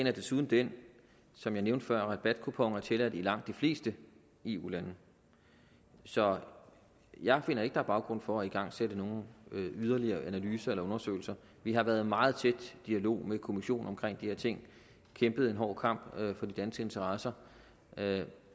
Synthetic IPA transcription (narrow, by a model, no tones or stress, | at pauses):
enæd̥e̝suːð̞ˠn̩d̥en | sɒ̽mjɑ̈ɪneʊnd̥fɶɐ̰ʁɑb̥æd̥̚kʰupʰɒŋæt͡sʰe̝læd̥̩ilɑ̈ŋ̰d̥ifle̝̰ːsd̥ə | e̝ːṵːlænə | sɒ̽ | jɑ̈ɪfe̝n̰ɐe̝ɡ̥əd̥ɑ̈b̥ɑ̈ʊɡ̥ʁɔ̽n̰fɒ̽æiɡ̥ɑ̈ŋ̰seɾ̥əno̝ːn̩yð̞ˠɐliɐːʔænælyːsɐelɐɔ̽nɐsø̰ɪl̩sɐ | ʋiɦɑ̈ʋæːɐð̞ˠmɑ̈ːð̞̩ˠt͡sʰed̥d̥iælo̝̰ːmekʰo̝miɕo̝̰ːnɒ̽mkʰʁeŋ̰d̥iheɐt͡sʰe̝ŋ̰ | kʰemb̥ð̞̩ˠe̝nɦɒ̰ːkʰɑ̈m̰b̥fɒ̽d̥id̥ænsɡ̥əe̝nt͡sʰɐʁɑ̈sɐ